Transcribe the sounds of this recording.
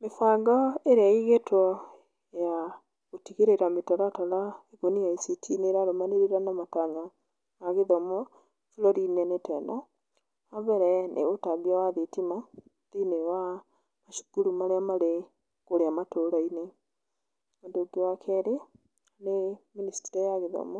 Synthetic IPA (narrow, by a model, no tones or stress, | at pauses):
mefaɡɔeɾeaiɣetɔ | ja | ɣotiɣeɾeɾametɔɾatɔlaeɣoniaisitʰineɾaɾomaneɾeɾanamataɲa | aɣeðɔmɔ | fulɔɾinɛnetɛ̰na | aβɛɾɛnʔḛotaβiawaðetima | ðinewa | maʃu̥kuɾumaɾeamaɾe | koɾeamatoɾaine | ondoɡewakʰɛɾe | aneministiɾajaɣeðɔ̰mɔ